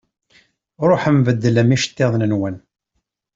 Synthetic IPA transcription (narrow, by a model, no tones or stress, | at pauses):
ɾˤoħəmvəd̪ːələmiʃə̥t̪ːeðˤnənwən